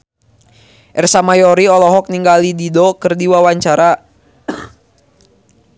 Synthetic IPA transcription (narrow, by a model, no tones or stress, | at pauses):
ʔɛrsamajɔɾiɔlɔɦɔk̚niŋɡalididɔkɨrdiwawaɲt͡ʃaɾa